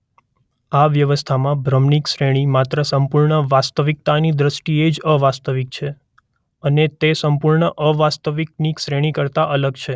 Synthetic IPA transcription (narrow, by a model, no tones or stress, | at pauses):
aʋjəʋəst̪ʰamãbʱɾəmniksɾeɽ̃imat̪ɾəsəmpuɾɳəʋast̪əʋik̚t̪anid̪ɾəsʈied͡ʒəʋast̪əʋik̚t͡ʃʰe | ənet̪esəmpuɾɳəʔəʋast̪əʋik̚niksɾeɽ̃ikəɾt̪aʔələɡt͡ʃʰe